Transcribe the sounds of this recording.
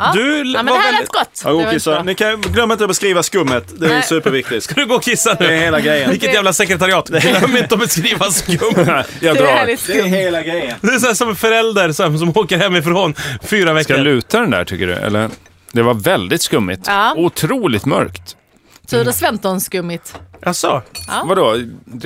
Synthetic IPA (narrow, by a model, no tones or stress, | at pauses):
d̪ɵvavɛlɡɔt̪ːɑɡoːkʰɪsanɪkʰaɡlœmːɪnt̪ɔbɛskɾiːvaskɵmːət̪d̪ɛsʉ̟ːpəɾvɪk̚t̪ɪskad̪ɵɡoːkʰɪsːanʉ̟ːheːlaɡɾɛjəvvɪlkːət̪jæːvlasɛkɾɛt̪aɾɪɑːt̪ːmːəɾɪnt̪əɔbɛskɾiːvaskɵmːjɑd̪ɾɑɛɪheːlaɡɾɛjəd̪ɛɛsɔæːʂɔmɛnfœɾɛld̪əɾsɔms̬ɔmoːkəɾhɛmːɪfɾɔnfyːɾavɛskalʉ̟ːt̪ad̪ɛnd̪æ̰ʈʰʏkːəɖɵ̰ɛ̰lːəɾ | d̪ɛvaɾvɛld̪ɪt̪skɵmːɪ̰t̪ːʊt̪ʰɾuːlɪt̪mœ̰ɾkt̪ | t̪ʰʉːnafɛmt̪ɔnskɵmːɪt̪ʔasɔvad̪o